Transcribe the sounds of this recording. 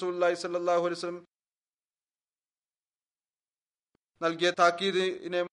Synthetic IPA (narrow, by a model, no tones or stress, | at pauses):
suːlulˠːaːɦisɐlːɐlːaːɦuɐlijs̬ɐlːɐm | nɐlɡet̪ʰaːkiːd̪iinem